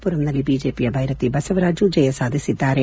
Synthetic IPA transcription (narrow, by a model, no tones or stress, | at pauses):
puɾɐmnɐlːibiːd͡ʒeːpijɐbʱɐjɾɐt̪ːibɐsɐʋɾaːd͡ʒud͡ʒɐjɐsaːd̪ʱisit̪ːaːɾe